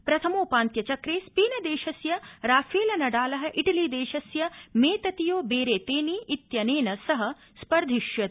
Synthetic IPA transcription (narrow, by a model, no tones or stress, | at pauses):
pɾɐt̪ʰɐmoːpaːnt̪jɐt͡ʃɐkɾeːspiːnɐd̪eːʃɐsjɐɾaːfʰeːlɐnɐɖaːlɐɦɐ̆ʔiʈɐliːd̪eːʃɐsjɐmeːt̪ɐt̪ijoːbeːɾeːt̪eːniʔːt̪jɐneːnɐsɐɦɐ̆ | spɐɾd̪ʱiʃjɐ